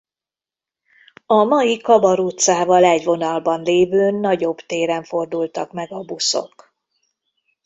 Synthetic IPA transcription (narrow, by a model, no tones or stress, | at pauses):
ɒmɒjikɒbɒɾut̪saːvɒlɛɟʋo̞nɒlbɒnleːvøːnːɒɟo̞bt̪eːɾɛɱfo̞rd̪ult̪ɒkmɛɡɒbuso̰k